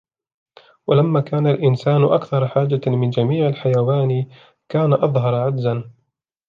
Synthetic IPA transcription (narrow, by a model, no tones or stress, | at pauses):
walamːaːkaːnalʔɪnsaːnʔakθɑɾˤħaːd͡ʒamɪnd͡ʒamiːʕalħajawaːn | kaːnaʔɑðˤɦɑɾˤʕad̪zan